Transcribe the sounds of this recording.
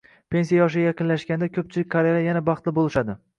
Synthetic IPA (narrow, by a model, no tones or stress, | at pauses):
pʰe̞nsijajɒʃ̬ɪɡʲajaqʰɨnlaʃkʲand̪akʲʰɵp̚t͡ʃʰɪlɪk̚ʲkʰaɾeɾajanabɑχt̪lɪbolˠɪʃad̪ɪ